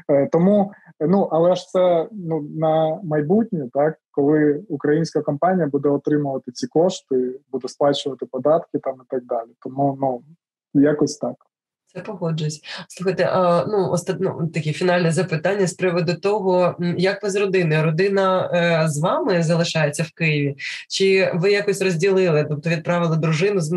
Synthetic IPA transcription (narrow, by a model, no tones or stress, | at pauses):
t̪ɔmunuʔɐlˠɛɐʃt̪sɛnunɐmɐjbutʲnʲt̪ɑkːɔlˠɪukɾɐjinʲsʲkɐkɔmpɑnʲijɐbud̪ɛɔt̪ɾɪmʊʋɐt̪ɪt͡sʲikɔʂt̪ɪbud̪ɛsplˠɑt͡ʃʊʋɐt̪ɪpɔd̪ɑt̪kɪt̪ɑmit̪ɑɡ̚d̪ɑlʲit̪ɔmunu | jakɔsʲt̪ɑk | t̪sɛpɔɦɔd͡ʒʊsʲsˠuxɐjt̪ɛ̰ʔɐnuɔ̰st̪nṵt̪ɐkʲɛfʲinɑlʲnɛzɐpɪt̪ɑnʲːɐspɾɪʋɔd̪ʊt̪ɔɦɔjɐkʋɪzrɔd̪ɪnɪɾɔd̪ɪnɐzʋɑmɪzɐlˠɪʃɑjet͡sʲːɐwkɪjɪʋʲit͡ʃɪʋɪjakɔsʲrɔzʲdʲilˠɪlˠɪt̪ɔp̚t̪ɔʋʲid̪̚pɾɑʋɪlˠɪd̪ɾʊʒɪnʊz